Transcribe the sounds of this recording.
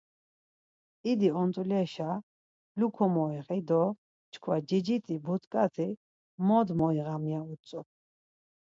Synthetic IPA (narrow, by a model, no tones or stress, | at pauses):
id̪iɔnt̪ʼulɛʃa | lukʰɔmɔiχid̪ɔ | t͡ʃkʰwad͡ʒid͡ʒit̪ʼibut̪ʰkʼat̪ʰi | mɔd̪mɔiɣamjaut͡sʼu